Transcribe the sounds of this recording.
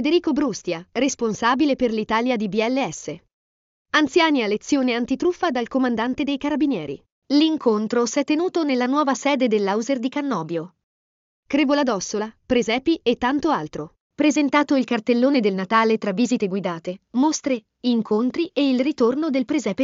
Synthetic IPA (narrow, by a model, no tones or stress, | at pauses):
fed̪eɾiːkobɾust̪jaresponsaːbileperlit̪aːljad̪ibiɛlːeɛsːe | ant̪sjaːnialet̪sːjoːneant̪it̪ɾufːad̪alkomand̪ant̪ed̪ejkaɾabinjɛːɾḭ | liŋkʰont̪ɾosɛt̪ːenuːt̪onelːanwɔːvasɛːd̪ed̪elːawzerd̪ikanːɔːbjo | kɾevolad̪ɔsːolapɾezɛːpiet̪ːant̪oalt̪ɾo | pɾezent̪aːt̪oilkart̪elːoːned̪elnat̪aːlet̪ɾavːiːzit̪eɡwid̪aːt̪emost̪ɾe | iŋkʰont̪ɾieilrit̪ornod̪elpɾezɛːpe